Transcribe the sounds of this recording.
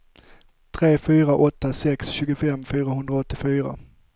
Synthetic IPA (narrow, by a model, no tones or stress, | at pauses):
t̪ʰɾeːfyːɾaʔɔt̪ːasɛksɕʉːɡʊfɛmːfyːɾaɦɵnd̪ɾaɔt̪ːɪfyːɾa̰